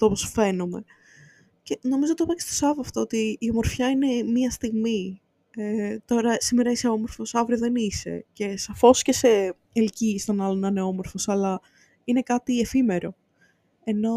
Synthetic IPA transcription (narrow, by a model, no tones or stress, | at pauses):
t̪ooposfe̞nume̞ | ceno̞mizot̪opɐcest̪o̥sɐvoɐft̪oot̪iːo̞mo̞ɾfçɐine̞miɐst̪iɣmi | et̪o̞ɾɐsimeɾɐiseo̞mo̞ɾfo̞sɐvɾioðe̞nise̞̰ce̞sɐfo̞sce̞se̞ | elcist̪o̞nɐlonɐneo̞mo̞ɾfo̞sɐlɐ | inekɐt̪ie̞fime̞ɾo̞ | e̞no̞